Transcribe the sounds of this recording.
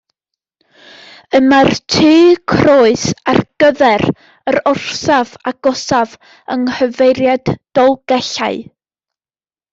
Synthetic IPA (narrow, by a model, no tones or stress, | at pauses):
əmartʰiːkʰroːɨsarɡ̥əðɛr | əɾɔr̥savaɡ̥ɔsav | ə̰ŋhəvejɾjad̥ːɔlˠɡ̥ɛɬa̰ɨ